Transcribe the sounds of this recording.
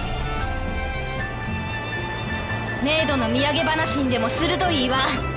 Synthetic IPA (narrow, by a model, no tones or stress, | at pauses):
me̞ːd̪o̞no̞mʲiaɡe̞banaɕĩnd̪e̞mo̞sɨɾɯ̟t̪o̞iːβa